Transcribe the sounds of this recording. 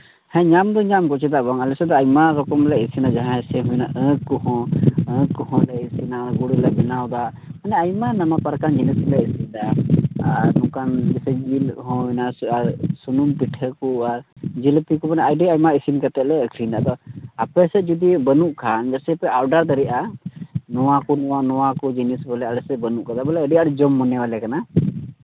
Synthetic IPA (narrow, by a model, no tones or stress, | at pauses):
hɛ̃ɲamd̪ɔɲamkɔt͡ʃʰɛd̪aʔbaŋalɛsɛd̪ɔajmaɾɔkɔmlɛisinad͡ʒaɦãɛsɛɦɔjnaʔə̃kːɔɦɔ̃ə̃kːɔhɔ̃lɛisinaɡuɽlɛbɛnawd̪a | manɛajmanamapaɾkand͡ʒinəsilɛisind̪aaɾnũkand͡ʒɛsɛd͡ʒilɦɔ̃naaɾsunumpiʈʰəkuaɾd͡ʒilp̪ikɔbanɛajɖiajmaisinkat̪ɛlɛəkʰɾind̪a̰ʔd̪ɔapɛsɛd͡ʒud̪ibənuʔkʰand͡ʒɛsɛpɛʔaɾɖaɾd̪aɾiʔa | nɔwakɔnɔanɔwakɔd͡ʒinisbɛlɛaɽɛsɛbənuʔkad̪abɛlɛəɖiaɽɛd͡ʒɔmːɔnɛwalɛkana